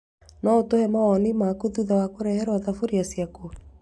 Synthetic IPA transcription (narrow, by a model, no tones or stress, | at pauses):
nɔotohɛmaɔnimakuðuðawakoɾɛhɛɾwaðafoɾiasiako